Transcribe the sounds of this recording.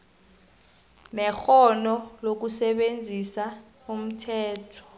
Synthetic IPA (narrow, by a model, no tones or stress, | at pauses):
nɛxɔnɔlok̬usɛɓend͡zʱisa | um̩tʰɛːtʰɔ̥